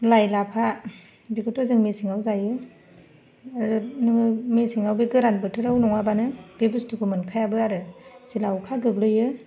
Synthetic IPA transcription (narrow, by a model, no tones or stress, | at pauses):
lajlapʰa | bikɯtozɯŋmesiŋawzajɯ | aɾɯnɯɯmesiŋawbeɡɯɾanbɯtʰɯɾawnɔŋabanɯb̥ebustukʰɯmɯnkʰajabɯaɾɯsilawkʰaɡɯblɯjɯ